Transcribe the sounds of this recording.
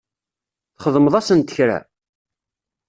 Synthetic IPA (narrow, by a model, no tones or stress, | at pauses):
θχəðˤməðˤɑsənt̪ə̥çɾa̰